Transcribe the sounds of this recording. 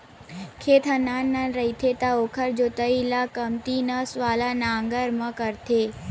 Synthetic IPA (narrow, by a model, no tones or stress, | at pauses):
kʰet̪ʰənanːanɾəit̪ʰet̪aokʰəɾd͡ʒot̪əilakəmt̪inəsʋalanaŋɡəɾmãkəɾt̪ʰe